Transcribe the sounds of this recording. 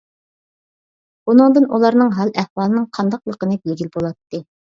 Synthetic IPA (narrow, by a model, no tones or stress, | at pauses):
unɨŋd̪ɨnʔulˠɑɾnɨŋɦɑlˠɛhwɑːlˠɨnɨŋqʰɑnd̪ɑqlˠəqənɨbelɡʲilbolˠɑt̪ːɨ